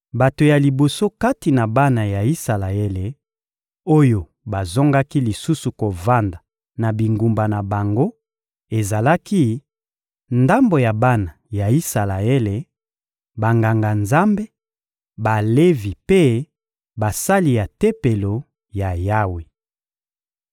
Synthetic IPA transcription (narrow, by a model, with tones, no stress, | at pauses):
ba˨to˨ja˨li˨bo˨so˦ka˦ti˨na˨ba˦na˨ja˨i˦sa˨la˨e˦le˨ | o˦jo˨ | ba˨zɔ˦ŋɡa˦ki˦li˨su˦su˨ko˨va˦nda˨ | na˨bi˨ŋɡu˨mba˨na˨ba˨ŋɡo˦ | e˨za˨la˦ki˦ | nda˦mbo˨ja˨ba˦na˨ja˨i˦sa˨la˨e˦le˨ | ba˨ŋɡa˨ŋɡa˨nza˦mbe˦ | ba˨le˦vi˨pe˦ | ba˨sa˦li˨ja˨te˦pe˨lo˨ | ja˨ja˦we˨